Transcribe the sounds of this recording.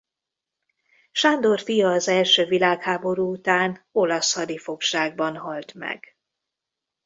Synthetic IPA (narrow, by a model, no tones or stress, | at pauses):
ʃand̪o̞rfijɒːzɛlʃøːvilaːkhaːbo̞ɾuːut̪aːno̞lɒshɒd̪ifo̞kʃaːɡ̚bɒnɦɒlt̪mɛ̰ɡ̥